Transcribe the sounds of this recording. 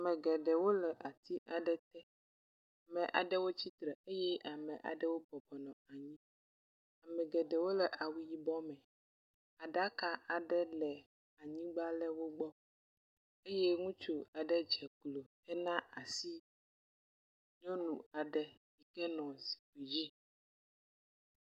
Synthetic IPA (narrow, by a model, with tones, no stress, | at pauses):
a˨mɛ̃˨ɡɛ˨ɖɛ˨wo˦lɛ˨ʔa˨t̪ʰi˦ʔa˨ɖɛ˦t̪ɛ˦ | a˨mɛ̃˨ʔa̰˨ɖɛ˦wo˦t͡ɕi˦t̪ɾɛ˨e˦jɛ˦a˨mɛ̃˨ʔa̰˨ɖɛ˦wo˦bɔ˨bɔ˨nɔ̃˨a˨ɲĩ˦ | a˨mɛ̃˨ɡɛ˨ɖɛ˨wo˦lɛ˨ʔa˨wi˦ji˦bɔ˦mɛ̃˨ | a˨ɖa˦ka˦a˨ɖɛ˦lɛ˨ | a˨ɲĩ˦ɡ͡ba˦lɛ˦wo˦ɡ͡bɔ˦ | e˦je˦ŋũ˦t͡ʃo˨a˨ɖɛ˦d͡ʒɛ˨klo˨ | ɛ˦nã˦a˨si˦ | ɲɔ̃˦nṵ̃˨a˨ɖɛ˦ji˨kɛ˦nɔ̃˨zi̥˨ɸe˨ji˦